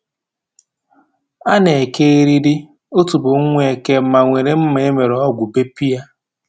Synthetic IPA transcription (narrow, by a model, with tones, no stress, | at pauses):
a˦ne˨e˨ke˦e˦ɾi˦ɾi˦ | o˦tu˨bʊ˨ŋ̩˦ŋʷ˦e˨ke˦m̩˦ma˨ŋʷe˨ɾe˨˦m̩˦me˨e˦me˨ɾe˨ɔ˦ɡʷʊ˨be˦pi˦ja˦